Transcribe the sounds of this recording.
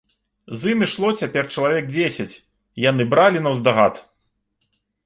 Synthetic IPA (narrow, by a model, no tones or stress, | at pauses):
zɨmʲiʂlˠɔt͡sʲapʲɛrt͡ʂɐlˠavʲɛk̚d͡zʲesʲɐt͡sʲ | janɨbɾalʲinɐwzd̪aɣat̪